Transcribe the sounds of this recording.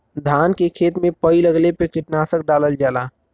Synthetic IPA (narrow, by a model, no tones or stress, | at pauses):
d̪ʱaːnkekʰeːt̪mẽpəiləɡlepekɪʈnaːsək̚ɖaːləld͡ʒaːlaː